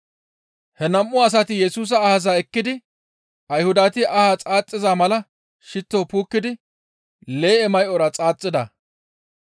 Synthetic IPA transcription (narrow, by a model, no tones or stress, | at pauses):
hɛnɐmːʊːs̬ɐt̪ɪjɛsuːs̬ɐːhɐzaɛkːɪd̪ɪ | ʔɐjhʊd̪aːt̪ɪʔɐhat͡sʼaːt͡sʼːɪzamɐlɐ | ʃɪt̪ːoːpuːkːɪd̪ɪ | le̞ːɛmɐjʔɔɾɐt͡sʼaːt͡sʼːɪd̪ɐ̰